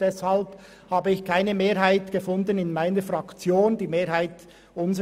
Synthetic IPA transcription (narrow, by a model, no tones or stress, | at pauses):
d̥ɛshalb | haːbəɪçkʰaɪnəmeːɾɦaɪtɡ̥əfʊndənɪnmaɪnəfʁɑkt͡sjoːndiːmeːɾhaɪt | ʊnzə